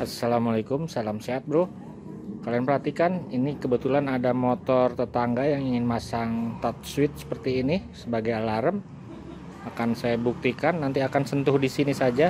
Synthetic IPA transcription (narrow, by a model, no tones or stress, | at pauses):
asːalamalekʊmsalamseat̪̚bəɾʊh | kalianpərɦat̪ikaninikəbət̪ulanadamot̪ɔrt̪ət̪aŋɡajaŋiŋɪnmasaŋt̪at̪̚swɪt̪̚sə̥pərt̪iːnisəbaɡajalaɾəm | akansajabuk̚t̪ikanːant̪iakansənt̪ʊhdisinisad͡ʒa